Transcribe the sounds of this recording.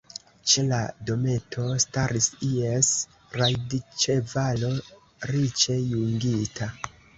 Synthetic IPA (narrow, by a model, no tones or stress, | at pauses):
t͡ʃe̞la̰do̞me̞tʰo̞staɾisies | ɾajdit͡ʃevalo̞ | ɾit͡ʃe̞juŋɡitʰa